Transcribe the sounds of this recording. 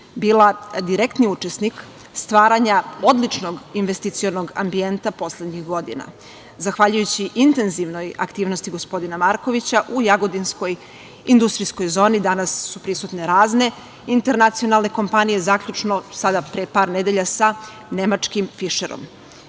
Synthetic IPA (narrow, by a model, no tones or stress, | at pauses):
biːlˠad̪iɾekt̪niut͡ʃesnik | st̪ʋaːɾaɲao̞d̪lit͡ʃno̞ɡinʋest̪it̪sio̞no̞ɡa̰mbie̞nt̪apo̞slˠed̪ɲixɡo̞d̪ḭna̰ | zaxʋaʎujut͡ɕiʔint̪e̞nziʋno̞ja̰kt̪iːʋno̞st̪iɡo̞spo̞d̪inamaɾko̞ʋit͡ɕaʔujaɡod̪insko̞j | ind̪ust̪ɾisko̞jzo̞ːnid̪anasːupɾisut̪ne̞ɾaːzne̞ | int̪e̞ɾnat̪sio̞nalˠne̞ko̞mpanije̞zaːkʎut͡ʃno̞sad̪apɾepaːɾned̪e̞ʎasa | ne̞mat͡ʂkimfiʃeɾo̰m